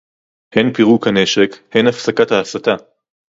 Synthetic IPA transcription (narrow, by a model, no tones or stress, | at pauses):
henpiʁukane̞ʃekhenafsakathaːsat̪a